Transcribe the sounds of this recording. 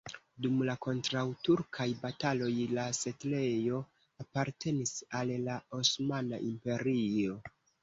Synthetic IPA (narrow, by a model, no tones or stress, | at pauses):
dumlako̞ntɾawtuɾkʰajbatalo̞jlase̞tle̞jo̞ | apaɾte̞nisalːao̞smana̰ʔimpe̞ɾio̞